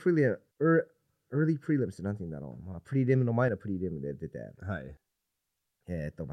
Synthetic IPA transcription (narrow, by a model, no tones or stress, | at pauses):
pʰɹ̥ilˠiɨ | ɜ˞ | ɜ˞lˠipʰɹ̥ilˠɪ̃msɨnʌθɪ̃ŋðə̰ɾhõ̰ʊ̃mʌpʰɹ̥ɪɾidɪ̃mə̃nl̩ˠmãɪ̃nəpʰɹ̥ɪɾidɪmə̃nɨdɨd̪̚ðæ̰t̚haɪ | jæɪtd̥õn